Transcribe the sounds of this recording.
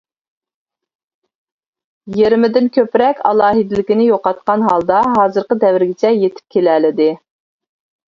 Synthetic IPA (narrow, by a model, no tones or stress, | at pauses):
jeɾɪmɪd̪ɪnkʲʰøpɾɛkʲɑ̰lˠɑːɦid̪ɪlɪkʲinɪjoqɑt̪̚qɑnɦɑlˠd̪ɑɦɑːzɨɾqəd̪ɛvɪɾɡʲɪt͡ʃʰɛjet̪ʰɪ̥p̚kʲʰelɛlɪd̪ɪ